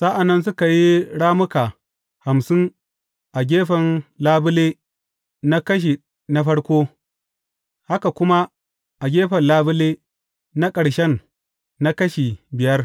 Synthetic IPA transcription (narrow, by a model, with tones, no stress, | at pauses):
sa˦ʔa˨nːɐ˦ns̬ʊ˦ka˨ji˦ɽaː˦mʊ˦ka˨ | ha˨msɪ˦n | ʔa˨ɡʲeː˦ɸɐ˨nlaː˦bʊ˦leː˦ | na˦kɐ˦ʃ̬i˨ | na˦ɸɐ˦ɽkʷoː˦ | ha˦ka˨kʷʊ˦ma˦ | ʔa˨ɡʲeː˦ɸɐ˨nlaː˦bʊ˦leː˦ | na˦kʼɐ˨ɽʃɛ˦nː | a˦kɐ˦ʃi˨bɪ˨jɐ˦r